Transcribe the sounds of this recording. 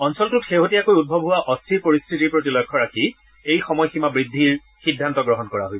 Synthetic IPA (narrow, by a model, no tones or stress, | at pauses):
ɔnsɔltʊtxeɦotijakojut̚bʱɔbʱɦʊwaʔɔstʰɹipoɹistʰitiɹpɹotilɔjkʰːɔɹaki | ejxɔmɔjximabɹidʱːiɹ | xidʱːantɔɡɹɔɦɔnkɔɹa̰ɦojbɔ